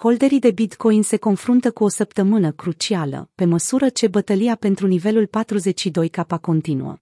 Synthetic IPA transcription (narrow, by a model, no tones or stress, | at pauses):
ko̞ld̪e̞ɾid̪e̞bit̪ko̞jnse̞ko̞nfɾunt̪əkuo̞səpt̪əmɨnəkɾut͡ʃialə̰pe̞məsuɾət͡ʃe̞bət̪əliape̞nt̪ɾunive̞lulpat̪ɾuze̞t͡ʃʲʃid̪o̞jkapako̞nt̪inṵə̰